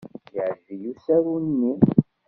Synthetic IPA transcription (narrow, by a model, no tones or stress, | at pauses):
jiʕʒːijusæɾunːi